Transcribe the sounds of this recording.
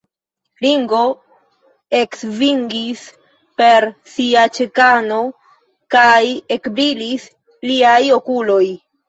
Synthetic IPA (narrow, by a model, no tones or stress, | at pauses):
liŋɡo̞ | e̞ksviŋɡis | pe̞ɾsiat͡ʃekano̞ | kaje̞kbɾilis | liajo̞kulo̞j